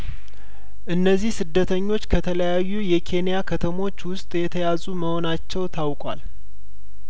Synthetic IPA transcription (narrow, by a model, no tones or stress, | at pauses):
ʔɨnːəzːihsɨd̪ːət̪ʰəɲːo̞t͡ʃːkʰət̪ʰələjajːujɛkʰe̞nijakʰət̪ʰəmo̞t͡ʃːwʊst̪ʼjɛt̪ʰəjazuməho̞nat͡ʃːɛwt̪ʰawkʼwa̰l